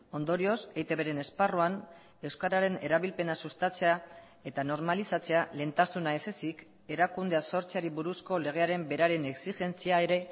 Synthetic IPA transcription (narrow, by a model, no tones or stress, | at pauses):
o̞nd̪o̞ɾio̞se̞jt̪e̞βe̞ɾe̞ne̞sparuan | e̞wskaɾaɾe̞neɾaβilpe̞nasust̪at͡se̞a | e̞t̪ano̞ɾmalisat͡se̞ale̞nt̪asunae̞se̞sik | e̞ɾakund̪e̞aso̞ɾt͡seaɾiβuɾusko̞le̞ɣ̞e̞aɾe̞mbe̞ɾaɾe̞ne̞ksiʝe̞nt͡siae̞ɾe̞